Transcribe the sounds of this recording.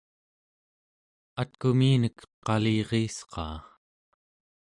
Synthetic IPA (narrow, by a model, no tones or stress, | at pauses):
at̪̚kumiːnəkqɑliːʁiːsqɑ̰ː